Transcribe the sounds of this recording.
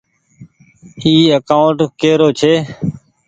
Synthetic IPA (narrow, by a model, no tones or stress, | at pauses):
iːəkaːʊɳʈkeːɾoːt͡ʃʰeː